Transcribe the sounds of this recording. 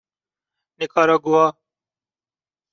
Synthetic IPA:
nɪkaːɾaɡuaː

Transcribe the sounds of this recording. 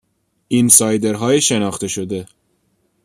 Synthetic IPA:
ʔinsɒːjd̪eɾɦɒːjeʃenɒːxt̪eʃod̪e̞

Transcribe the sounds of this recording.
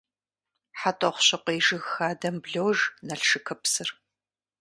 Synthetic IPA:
ħatʼɐχʷʊɕɐqʷeːʒɨɣxaːdɐmbɮɐwʒnɐɬʂɨkʰɐpsɨr

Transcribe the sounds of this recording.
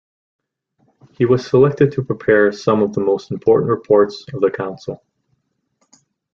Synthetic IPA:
hiwʌz̥səlɛk̚tɨd̚tʰəpʰɹ̥ipʰɛɹsʌ̃mʌvðəmoʊstm̩pʰɔɹʔn̩ʔɹɨpʰɔɹtsʌvðɨkʰãʊ̃nsl̩ˠ

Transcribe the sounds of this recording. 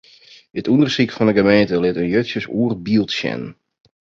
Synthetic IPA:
ətundərsikfɔndəɣəmeːntəlɪtənjøtsjəsuːərbiəlˠtsjɛ̰n

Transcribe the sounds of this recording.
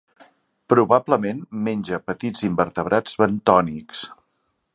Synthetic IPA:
pɾuβabləmenmenʲd͡ʒəpət̪id͡zimbəɾt̪əβ̞ɾʔad͡zβənt̪ɔniks

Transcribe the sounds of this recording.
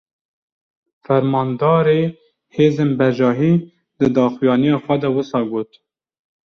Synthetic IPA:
fæɾmɑːnd̪ɑːɾeː | heːzeːnbɛʒɑːɦiː | d̪ɨd̪ɑːxijɑːnijɑːxʷɛd̪ɛwɨsɑːɡoːt̪

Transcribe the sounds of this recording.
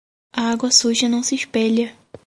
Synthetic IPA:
ɐaɡwɐsuʒɐnɐ̃w̃sɪiʃpɛʎɐ

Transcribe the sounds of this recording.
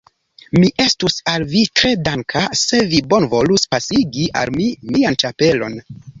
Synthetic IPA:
miʔe̞stusalvitɾe̞daŋkʰase̞vibo̞nvo̞luspasiɡiʔa̰lmimiant͡ʃape̞lo̞̰n

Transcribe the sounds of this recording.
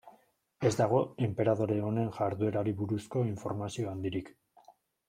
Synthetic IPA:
e̞zd̪aɣ̞o̞e̞mpe̞ɾað̞o̞ɾe̞one̞nʝaɾðue̞ɾaɾiβuɾusko̞iɱfo̞̰ɾmasio̞and̪iɾik

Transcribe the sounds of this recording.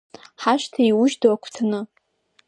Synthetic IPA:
ħaʃtʰaiwʊʒdowakʷʰt͡sʰanɨ

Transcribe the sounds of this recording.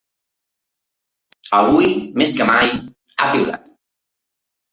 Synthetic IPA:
aβujmeskəmaj | apila̰t̪

